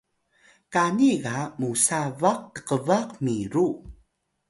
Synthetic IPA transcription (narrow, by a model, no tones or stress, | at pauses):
kaniɣamusavaq̚tə̥qəvaqmiɾu